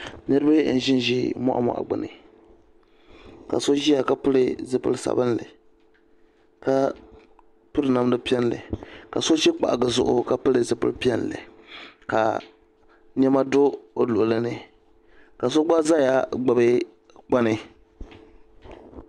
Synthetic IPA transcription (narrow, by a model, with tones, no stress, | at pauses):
nɨ˦ɾɨ˦bɨ˦n̩˨ʒɪ˦n˦ʒi˦mɔ̰˦ʔa̰˨mɔ̰˨ʔa̰˨ɡ͡bɨ̰˨nɨ̰˨ | ka̰˨so˦ʒi˦a˨ka˦pɨ˦lɨ˨zɨ˦pɨ̰˦lsa̰˨bɨ˦n˦lɨ̰˨ | ka˨ | pɨ˦ɾɨ˨˦na˨m˦dɨ˦pi˦ɛ˦n˦lɨ̰˨ka˨so˦ʃi˦k͡pa̰˨ʔɡɨ˨zʊ˨ʔʊ˦ka˨pɨ˦lɨ˨zɨ˨pɨ̰˦lpi˦ɛ˦nlɨ̰˨ka̰˨ | n˦ɛ˦ma˦do˦o˨lʊ˨ʊ˨lɨ˦nɨ˨ | ka˨so˦ɡ͡ba˦za˦ja˦ɡ͡ba˨bɨ˦ | k͡pa˦nɨ˨